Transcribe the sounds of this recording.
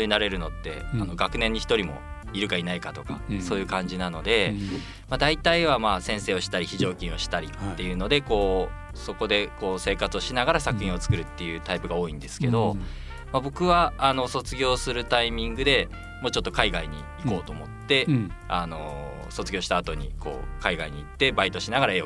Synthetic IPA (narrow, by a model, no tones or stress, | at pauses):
oɲinaɾe̞ɾɯ̟no̞t̪ːe̞̰ano̞ɡakɯ̟nẽ̞ɲ̟ːiçi̥t̪o̞ɾʲimo̞̰ | iɾɯ̟kainaikat̪o̞ka̰so̞ːjɯ̟kãɲ̟d͡ʑinano̞d̪e̞ | mad̪ait̪aiβamaːsẽ̞ɰ̃se̞ːo̞ɕi̥t̪aɾʲiçiʑo̞ːkʲĩɰ̃o̞ɕi̥t̪aɾʲiːe̞jɯ̟ːno̞d̪e̞ko̞ː | so̞ko̞d̪e̞ko̞ːse̞ːkat͡sɨo̞ɕinaɡaɾasakɯ̟hçĩo̞t͡sɨ̥kɯ̟ɾɯ̟t̪ːe̞jɯ̟ːt̪aipɯ̟ɡaoːĩnd̪e̞sɨ̥ke̞d̪o̞ | mabo̞kɯ̟βaːno̞so̞t͡sɨɡʲo̞ːsɨɾɯ̟t̪aimʲĩŋɡɯ̟d̪e̞ | mo̞ːt͡ɕo̞t̪ːokaiɡaiɲ̟ḭːko̞ːt̪o̞ːmo̞t̪ːe̞ano̞ | so̞t͡sɨɡʲo̞ːɕi̥t̪aːt̪o̞ɲ̟ḭkʰo̞̰ːkaiɡaiɲ̟iːt̪ːe̞bait̪o̞ɕinaɡaɾaeo